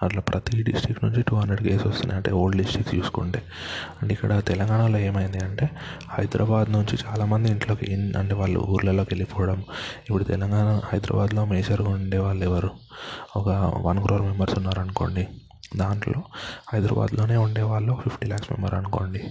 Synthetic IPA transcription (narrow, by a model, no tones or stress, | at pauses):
ɐʈlaːpɾɐt̪iɖisʈɾikːnuɲt͡ʃiʈuːɦɐnd̪ɾeɖɡeːsʋɔst̪und̪jɐɳʈḛoːlɖɖisʈɾiksjṵːsu̥kuɳʈeː | ɐɳʈikːɐɽɐt̪ɛlɐŋɡaːɳalo̞ːe̞ːmɐjind̪iɐɳʈe̞ː | hɐjd̪ɾʔɐbaːd̪nuɲt͡ʃit͡ʃaːlaːmɐnd̪iiɳʈlo̞ːkḛnɐ̰ɳʈeːʋaːɭːṵṵːɾlɐlo̞ːkelipɔːʋɐɽɐmipːuɽut̪ɛlɐŋɡaːɳɐhɐjd̪ɾɐ̰baːd̪lo̞ːmeːd͡ʒɐɾɡauɳɖɛːʋaːɭːuɛʋɐɾuɔkɐʋɐnkɾoːɾmɛmbɐɾsunːaːɾɐnuko̞̰ːɳɖi | d̪aːɳʈlo̞ːhɐjd̪ɾɐ̰ːba̰ːd̪lo̞ːne̞ːuɳɖɛːʋaːɭːuːkɐpʰipʰʈiːlaːksmɛ̰mbɐɾɐnuko̞̰ːɳɖi